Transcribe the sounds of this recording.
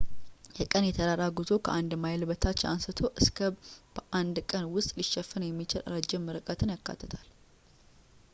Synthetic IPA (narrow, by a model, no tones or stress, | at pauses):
jɛkʼənjɛt̪ʰəɾaɾaɡɨzo̞kʰəʔand̪majlbət̪ʰat͡ʃːansɨt̪ʰo̞ʔɨskʰəb̥əʔand̪kʼənwʊst̪ʼliʃːɛfːənjɛmːit͡ʃɪla̰ɾad͡ʒːɛmːɨɾɨkʼət̪ʰɨnjakːa̰t̪ʰːət̪ʰal